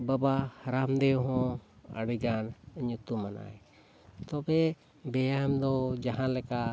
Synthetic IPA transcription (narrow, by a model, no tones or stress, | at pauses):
babahɾamd̪ɛɦɔ̃ə̰ɽiɡanəɲut̪umana̰j | t̪ɔbɛ | bɛjamd̪ɔd͡ʒaɦãlɛka